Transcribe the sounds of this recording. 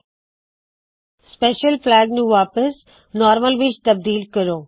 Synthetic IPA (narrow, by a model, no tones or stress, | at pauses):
speːʃəlplɛːɡnũːʋaːpəs | nɔːɾməlʋɪt͡ʃt̪ɐb̚d̪iːlkəɾoː